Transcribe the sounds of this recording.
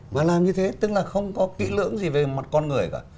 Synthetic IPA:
maː˨˩laː˨˩mɲɨ˧t̪ʰe˨˦t̪ɨ˨˦˥k̚laː˨˩xə˧wŋ͡mkɔ˨˦kḭ˧˥lɨ̰˧˥əŋzi˨˩ve˨˩ma˨˩t̚kɔ˧nŋɨ˨˩əjkaː˧˩

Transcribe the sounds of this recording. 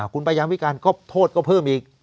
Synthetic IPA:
kʰu˧npa˧jaː˧mwi˦˥˩kaː˧nkɔː˥˩t̪ʰoː˥˩t̪̚kɔː˥˩pʰɤː˥˩mʔiː˧k̚

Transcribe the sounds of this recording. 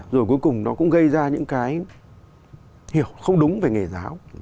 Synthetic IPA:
zo˨˩jku˨˦jkʊ˨˩ŋ͡mnɔ˨˦kʊ̰˧˥ŋ͡mɣə˧jzaː˧ɲɨ̰˧˥ŋkaː˨˦j | hi˧˩əwxə˧wŋ͡mɗʊ˨˦ŋ͡mve˨˩ŋe˨˩zaː˨˦w

